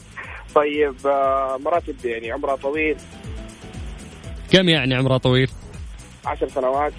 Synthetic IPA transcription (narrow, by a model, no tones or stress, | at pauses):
t̪ˤɑjːɪbmɑɾˤɑːt̪ɪbjaʕniʕʊmɾɑt̪ˤɑwiːl | kamjaʕniʕʊmɾˤɑt̪ˤɑwiːl | ʕaʃɑɾˤsanawaːt̪